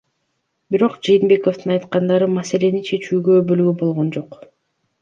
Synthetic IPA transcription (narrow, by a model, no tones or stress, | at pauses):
biɾo̞qd͡ʒɯjinbe̞ko̞ft̪ɯnɑjt̪qɑnd̪ɑɾɯmɑse̞le̞nint͡ʃʰe̞t͡ʃyːɡøbølɡybo̞lˠʁo̞nd͡ʒo̞q